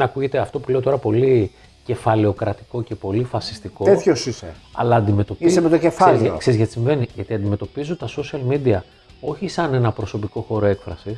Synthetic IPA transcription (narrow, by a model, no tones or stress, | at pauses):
nɐkuʝe̞t̪e̞ɐft̪opule̞o̞t̪o̞ɾɐpo̞li | ce̞fɐleo̞kɾɐt̪i̥ko̞ce̞po̞lifɐsi̥st̪iko̞et̪çosiseɐ̰lɐːnd̪ime̞t̪o̞piemet̪ocefazkse̞ɾizʝɐt̪i̥sĩɱve̞niʝɐt̪iɐnd̪ime̞t̪o̞pizut̪ɐso̞siɐlmid̪iɐ | o̞çisɐne̞nɐpɾoso̞piko̞xo̞ɾo̞e̞kfɾɐsis